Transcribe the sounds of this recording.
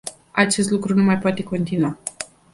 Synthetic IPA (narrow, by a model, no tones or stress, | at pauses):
at͡ʃe̞st̪lukɾunumajpoat̪e̞ko̞nt̪inua